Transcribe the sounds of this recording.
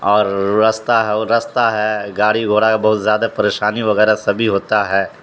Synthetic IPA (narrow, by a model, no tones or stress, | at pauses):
ɔːɾːɐst̪aɦɛɾɐst̪aɦɛɡaːɽiɡʱoːɽakabɐɦʊt̪zjaːd̪apɐɾeːʃaːniʋɐɣɛːɾasɐbʱiɦoːt̪aɦɛː